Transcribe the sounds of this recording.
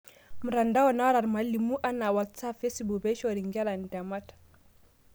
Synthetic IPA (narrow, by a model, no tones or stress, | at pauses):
muɾandawɔnawɾaɾmalːimuʔanawatsapfesibubeʃoɾiŋɡɛlandamat